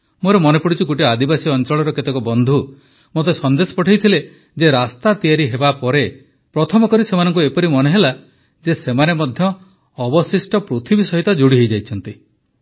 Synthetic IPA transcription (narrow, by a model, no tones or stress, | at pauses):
moɾemɔnepɔɽit͡ʃʰuɡoʈiad̪ibasiɔnt͡ʃɔɭɔɾɔket̪ɔkɔbɔnd̪ʱu | mot̪esɔnd̪esɔ̥pɔʈʰejt̪ʰile | d͡ʒeɾast̪at̪ijaɾiɦebapɔɾe | pɾɔt̪ʰɔmɔkɔɾisemanɔŋkuepɔɾimɔneɦela | d͡ʒesemanemɔd̪ʱjɔː | bɔsisʈɔpɾut̪ʰibisɔɦit̪ɔd͡ʒuɽiɦejd͡ʒajt͡ʃʰɔnt̪i